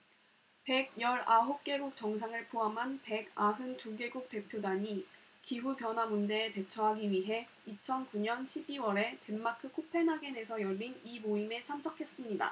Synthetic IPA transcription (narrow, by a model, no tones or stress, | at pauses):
pe̞ɡ̚jʌɾaɦok͈e̞ɡuk̚t͡ɕ͈ʌŋsʰaŋɯɭpʰoɦamɦanpe̞ɡaɦɯntuɡe̞ɡuk̚t͈e̞pʰjodaɲi | kiɦupjʌnɦwamund͡ʑe̞ːte̞t͡ɕʰʌɦaɡiɥiɦe̞ | it͡ɕʰʌnkuɲʌnɕʰibiwʌɾe̞te̞mːakʰɯkʰopʰe̞nɦaɡe̞ne̞sʰʌjʌʎːinimoime̞t͡ɕʰamsʰʌkʰe̞s͈ɯmɲida̰